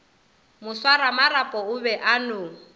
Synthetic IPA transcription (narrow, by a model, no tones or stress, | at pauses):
mʊswaɾamaɾapʼɔʊβɛʔanʊ